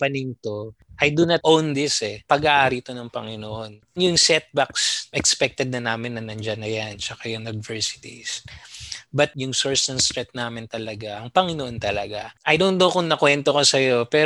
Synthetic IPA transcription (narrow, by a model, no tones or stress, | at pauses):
pɐniŋt̪o̞ | ʔɐjd̪ʊnɐt̪ʔownd̪ɪsɛpɐɡaʔaːɾiɪt̪o̞nɐŋpɐŋɪnoʔo̞n | jʊŋsɛt̪̚baksʔɛkspɛk̚t̪ɛd̪̚nɐnaːmɪnːɐnɐnd͡ʒɐnɐjant͡ʃɐkajʊŋʊd̪vɛɹsɪ̥t̪ḭs | bɐt̪̚jʊŋsoɹsnɐŋst̪ɾɛt̪̚naːmɪnt̪ɐlɐɡaʔɐŋpɐŋɪnoʔont̪ɐlɐɡaʔɐjnond̪okʊŋnɐkwɛnt̪okosɐjo̞pɛɾ